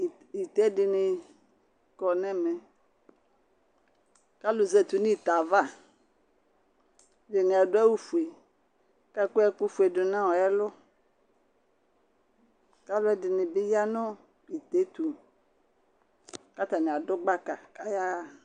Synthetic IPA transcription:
i˨t̪ɛ˦dɪ˨nɪ˨ | kɔ˨nɛ̃˦mɛ̃˨ | ka˦lʊ˨ze˦t̪u˨nĩ˦˨t̪a˨va˦ | dɪ˨nɪ̃˨a˨dʊ˦ɛ˦wu˦fu˨e˨ | ka˦ku˦ɛ˦ku˦fu˨e˨dʊ˨nã˦wɔ˨ɛ˦lʊ˦ | ka˦lʊ˦ɛ˦dɪ˨nɪ˨be˦ja˦nɔ̃˦ | i˨t̪e˦t̪u˨ | ka˦t̪a˨nẽ˨a˨dʊ˦ɡ͡ba˦ka˨ka˦ja˦˨

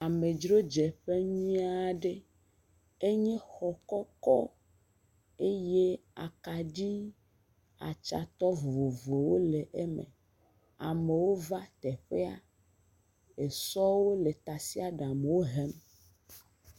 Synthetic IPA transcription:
a˨me˨d͡ʒɾo˦d͡ʒɛ˨ɸe˦ɲĩ˦a˦ɖe˦ | e˦ɲẽ˦xɔ˨kɔ˦kɔ˦ | e˦je˦a̰˨ka˨d͡ʑi˦ | a̰˨t͡ʃa̰˨t̪ɔ˦vo˨vo˨wo˦le˨ʔe˦mḛ˨ | a̰˨me˨wo˦va˦t̪ɛ˨ɸe˦a̰˨ | e˨sɔ˦wo˦le˨t̪a˨si˦a˨ɖa˨me˨wo˦ɦɛ˦m

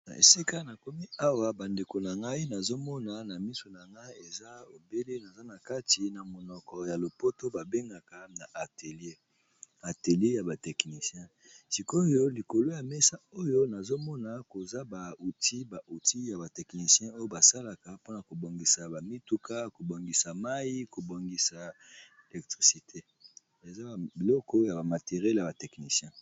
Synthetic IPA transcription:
na˨ḛ˨si˦ka˦na˨ko˦mi˦a˦wa˨ba˨nde˨ko˨na˨ŋɡa˦i˦na˨zo˦mɔ˦na˨na˨mi˦so˨na˨ŋɡa˦i˦e˨za˦o˨be˦le˦na˨za˦na˨ka˦ti˨na˨mo˨nɔ˨kɔ˨ja˨lo˨po˦to˦ba˨be˦ŋɡa˨ka˨na˨ʔa˨te˨lje˦ | a˨te˨le˦ja˨ba˨tɛ˨kni˨sjɛ̃˦ | si˨ko˦jo˦li˨ko˨lo˦ja˨mɛ˦sa˦o˦jo˦na˨zo˦mɔ˦na˨ko˨za˦ba˨u˨ti˦ba˨u˨ti˦ja˨ba˨tɛ˨kni˨sjɛ̃˦o˦jo˦ba˨sa˦la˨ka˨po˦na˨ko˨bo˨ŋɡi˨sa˨ba˨mi˦tu˦kʰa˦ko˨bo˨ŋɡi˨sa˨ma˦ji˦ko˨bo˨ŋɡi˨sa˨ | e˨lɛ˨k̚tʁi˨si˨tʰe˦ | e˨za˦˨bi˨lɔ˦kɔ˦ja˨ba˨ma˨te˨ʁjɛ˦lja˨ba˨tɛ˨kni˨sjɛ̃˦

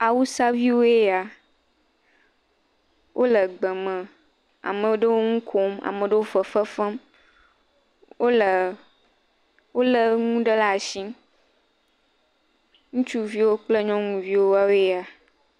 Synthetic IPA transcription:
a˨wu˦sa˦vi˦wo˦je˦ja˨ | wʔo˦lə˨ɡ͡bə˨mə̃˨ | a̰˨mə̃˨˦ɖə˦wo˦ŋũ˦kʰo˦ma̰˨mə̃˨ɖə˦wo˦fə˨fə˦fə˦m | wo˦lə˨ | wo˦lə˦ŋũ˦ɖə˦la˦˨ʃĩ˦m | ŋũ˦t͡ʃu˦vi˦wo˦k͡plə˦ɲɔ̃˦ŋũ˨vi˦wo˦wa˦wo˦e˦a˨

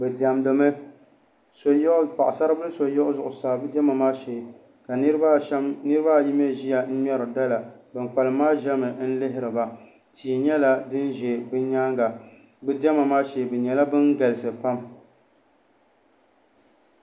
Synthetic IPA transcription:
bɛ˨di˨a˨mdo˨mɨ˦ | so˨˦ʔpa˨ʔʊ˨sa˦ɾɨ˦bɨ˦lɨ˦so˨jɔ˦ʔʊ˦zʊ˨ʔʊ˨saː˨bɨ˦dɛ˦ma˨maː˦ʃɛ˨ | ka˨˦ɾba˦mnɨ˦ɾɨ˦ba˦˨ji˦m˦ɛ˦ʒi˦ja˨n̩˦ɲɔ˦ɾɨ˨da˦la˨bɨ˨n˨k͡pa˨lɨ˨maː˦ʒɛ˦mɨ˨˦n̩˦lɪ˦ɦɪ˦ɾɨ˨ba˨ | tʰiː˨ɲɛ˦la˦dɨ˦nʒɛ˨bɨ˦ɲaː˦ŋɡa˨ | bɨ˦dɛ˦ma˨maː˦ʃɛː˨bɛ˨ɲɛ˨la˦bɨ˦nɡa˨lɪ˨sɨ˨pa˦m

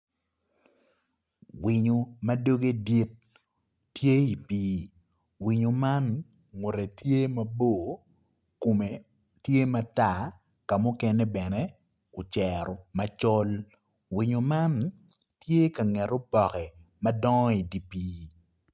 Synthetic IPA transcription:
wi˨ɲo˨ma˦do˦ɡe˦di˦t̚ | tje˦i˨piː˦ | wi˨ɲo˨ma˦n | ŋʊ˨ɾe˨tje˦mɐ˨bo˦˨ | ko˨me˨ | tje˦ma˦ta˦˨ | ka˨mʊ˦kɛ˦ne˦bɛ˨nɛ˦ | ʊ˨t͡ʃɛɾɔ˨ma˦t͡ʃɔ˦l | wi˨ɲo˨ma˦n | tje˦ka˨ŋɛ˨ɾo˦bɔ˨kɛ˨ | mɐ˦dɔ˦ŋɔ˦i˨di˨piː˦

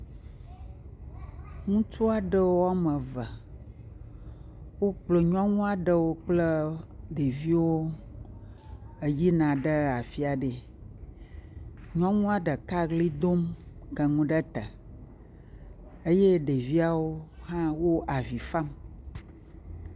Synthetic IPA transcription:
ŋũ˦t͡ʃu˦a˨ɖə˦wo˦a˦mə̃˨və˨ | wo˦k͡plo˨ɲɔ̃˦ŋũ˦a˨ɖə˦wo˦k͡plə˦ɖe˨vi˦wo˦ | ə˨d͡ʑi˦nã˨ɖə˦a˨fi˦a˨ɖe˨ | ɲɔ̃˦ŋũ˦a˦ɖə˨ka˦ɡli˦d̪o˦mkə˨ŋũ˦ɖə˦t̪ə˨ | e˦je˦ɖe˨vi˦a˦wo˦hã˦wo˦ʔa˨vi˨fa˦m

